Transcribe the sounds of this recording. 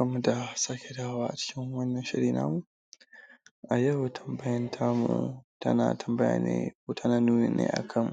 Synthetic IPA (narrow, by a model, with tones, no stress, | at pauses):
kɐ˦mːu˨da˨saː˦kʲe˨daː˦waː˦ʔa˨t͡ʃɪ̥˦kʲɪ˦ŋwɐ˦nːɐ˨nʃɪ˦ɽiː˨na̰ː˦mu˨ | ʔa˨jɐ˦wtʰɐ˨mbɐ˦jɐ˦ntʰaː˦mṵ˨tɐ̰˦na̰ː˨tʰɐ˨mbɐ˦ja̰ː˨nḛ˦ko˦ta˦na˦nuː˦ne˨nʔḛː˦ʔa̰˨kʰɐ˦˨mː˨